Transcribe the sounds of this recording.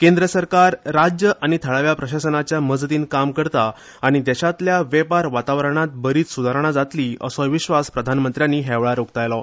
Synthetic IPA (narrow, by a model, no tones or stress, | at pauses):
kẽnd̪ɾəsəɾkaɾːad͡ʑjəʔaɽ̃it̪ʰəɭaʋjapɾəɕasənat͡ɕjaməd͡zt̪iːnkamkəɾt̪aː | ɽ̃id̪ɛɕat̪ljaʋɛpaɾʋat̪aʋɾəɳ̃at̪̚bəɾiːt͡s̪sud̪ʱaɾɳ̃ad͡zat̪liːə̰sɔʋiɕʋaspɾəd̪ʱanmənt̪ɾjanːiːɦɛʋɭaɾukt̪ajlɔ